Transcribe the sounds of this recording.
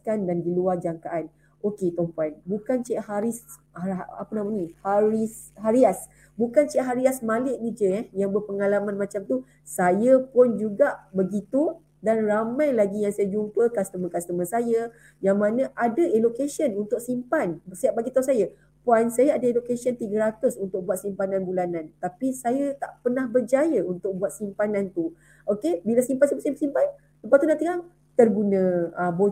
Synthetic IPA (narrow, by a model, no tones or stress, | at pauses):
kandandiluard͡ʒaŋkaʔan | oket̪ɔmpanbukant͡ʃɛʔhaɾis | a̰pənamanĩhaɾisɦaɾias | bukant͡ʃɛʔɦaɾiasmalɪʔnid͡ʒəɛjaŋbərpəŋalamãnmat͡ʃamt̪u | sajapʊnd͡ʒuɡaʔbəɡit̪u | danramãjlaɡijaŋsajad͡ʒumpəkast̪əmãkast̪əmə̃saja | jaŋmãnə̃ʔadəʔelokesənunt̪ʊk̚simpanbəsiap̚baɡit̪aunsajə | poajnsajaadaelokesiənt̪iɡəɾat̪ʊsunt̪ʊk̚buat̪̚simpanãnbulanãnt̪apisajat̪a̰ʔpənahbərd͡ʒajəunt̪ʊk̚buat̪̚simpanãnt̪u | ʔokebilasimpansimpasimpasimpan | səpat̪unãnt̪iŋaŋ | t̪ərɡunə̃abo